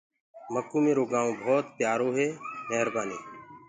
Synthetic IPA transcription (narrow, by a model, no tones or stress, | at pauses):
məkuːmẽːɾoːɡaːõːbʱɔːt̪pjaːɾoːɦeːmɛɦɾbaːniː